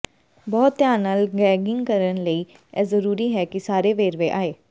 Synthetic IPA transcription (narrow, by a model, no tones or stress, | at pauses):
bɔːt̪ːjaːnːaːlɡɛːɡɪ̃ŋɡkəɾənləiː | ɛːzəɾuːɾiːɦɛːkɪsaːɾeːʋeːɾʋẽːʔaːeː